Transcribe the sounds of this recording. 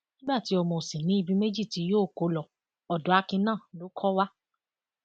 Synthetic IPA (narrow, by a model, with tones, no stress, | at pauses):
nĩ˦ba˦˨ti˨˦ɔ˧mɔ̃˨sĩ˨nĩ˨˦i˦˧bi˧me˦d͡ʒi˦˨ti˨˦joː˦˨ko˨˦lɔ˧ | ɔ˨dɔ˨˦a˧kĩ˧nãː˦˨lo˨˦kʰɔ˦wa˦